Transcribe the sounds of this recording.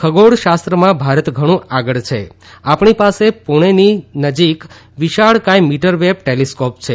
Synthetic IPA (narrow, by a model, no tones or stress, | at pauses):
kʰəɡoɽʃast̪ɾəmãbʱaɾət̪ɡʱəɽ̃ũaɡəɭt͡ʃʰeapɳipasepuɽ̃eninəd͡ʒik | ʋiʃaɭkajmiʈəɾʋeb̚ʈeliskopt͡ʃʰe